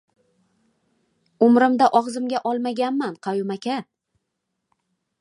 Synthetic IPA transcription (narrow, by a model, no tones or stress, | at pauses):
ʊmɾɪmd̪aʔɒʁzɪmɡʲaʔɒlˠmaɡʲanmanqʰɑjʊmakʲʰa